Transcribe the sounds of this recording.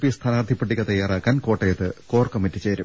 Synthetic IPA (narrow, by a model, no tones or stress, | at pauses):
pijɐst̪ʰaːnaːrd̪ʱipːɐʈːikːɐt̪ɐjːaːraːkːaːnko̞ːʈːɐjɐt̪ːɨko̞ːrkɐmitːit͡ɕe̞ːɾum